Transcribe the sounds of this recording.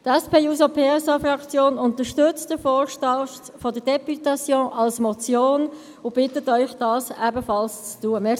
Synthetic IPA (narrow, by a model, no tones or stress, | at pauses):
d̥ɛspʰeːjuːsopʰeːɛsɑfrɑkt͡sjoːnʊntəʃtʏt͡std̥əfɔːʃtɑ | fɔd̥əd̥ɛpytɑt͡sjõːʔɑlsmɔt͡sjoːn | ʊb̥ɪtətœʏχd̥ɑːsɛbəfɑlst͡stuːəmɛ